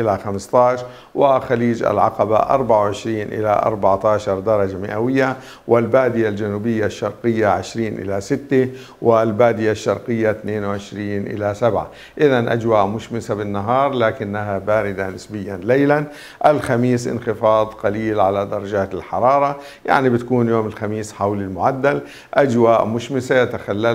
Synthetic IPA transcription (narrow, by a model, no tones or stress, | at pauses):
ʔɪlaxamst̪ˤɑʕʃɾ | wʔɪxaliːd͡ʒa̰lʕɑ̰qɑba̰ʔɑ̰ɾˤbaʕawʕɪʃɾiːnʔɪ̰la̰ʔɑ̰ɾˤbaʕt̪ɑːʃɑɾˤd̪ɑɾˤɑd͡ʒamɪ̰ʔawɪjːa | wɪlbaːd̪ɪjald͡ʒanuːbɪjːaʃːɑɾˤqɪjːaʕɪʃɾiːnʔɪ̰lasɪt̪ːɪ | wɪlbaːd̪ɪjaʃːɑɾˤqɨjːat̪neːnwʕɪʃɾiːnʔɪ̰lasabʕa̰ | ʔɪðanʔa̰d͡ʒwaːʔmʊʃmɪsabɪnːaɦɑːɾˤlaːkɪnːaɦabaːɾɪd̪anɪsbɪjːanlejlan | ʔalxamiːsʔɪ̰nxɪfɑːd̪ˤqɑliːlʕalad̪ɑɾˤɑd͡ʒaːt̪ɪlħɑ̰ɾˤɑːɾˤɑ | ja̰ʕnibɪt̪ḁkuːnjoːmɪlxamiːsħawlɪlmʊʕad̪ːal | ʔad͡ʒwaːʔmʊʃmɪsajat̪axalːa